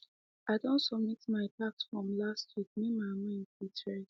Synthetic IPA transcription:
aɪdõntsɔbmitmaɪpaksfɹɔ̃mlastʰwit̚mimaɪmãntitʰɹɛ

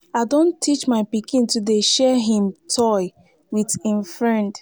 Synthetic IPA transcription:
aɪdõntʰːit͡ʃmaɪpikʰĩntudeʃɛɦĩmtʰɔɪ | witĩnfɹɛ̃nd

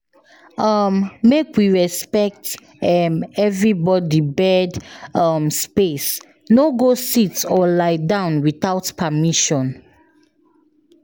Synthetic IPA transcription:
ʌmːekʰwiɹɛspɛk̚t | mɛvɹibɔdibɛdʌmspes | noɡositɔlaɪdãʊ̃nwiθaʊtpʰamiʃɔ̃n

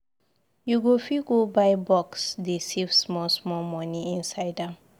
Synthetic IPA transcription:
juɡofiɡobajbɔksdesivsmɔlsmɔlmɔniĩnsaɪdam

